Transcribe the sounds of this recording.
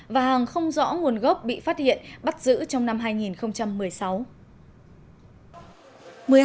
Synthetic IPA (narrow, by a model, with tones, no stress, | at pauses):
vaː˨˩ɦaː˨˩ŋxə˧wŋ͡mzɔ̰˧˥ŋu˨˩ənɣɔ˦˥p̚ɓḭ˧˨faː˦˥t̚hḭ˧˨ənɓa˦˥t̚zɨ̰˧˥t͡ɕɔ˧wŋ͡mna˧mɦaː˧jŋi˨˩nxə˧wŋ͡mt͡ɕa˧mːɨ˨˩əjsa˨˦w | mɨ˨˩ə